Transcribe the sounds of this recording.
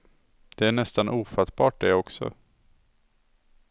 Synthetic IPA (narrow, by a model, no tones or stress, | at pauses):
d̪̥ɛæɳɛst̪anʔuːfat̪ːbɑːʈ̚d̪ɛɔksɔ̰